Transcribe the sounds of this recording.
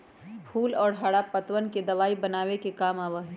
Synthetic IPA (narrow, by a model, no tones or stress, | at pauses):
pʰuːlɔːɾɦaɽapɐt̪wənked̪ɐʋaːibɐnaːwekekaːmaːʋəɦ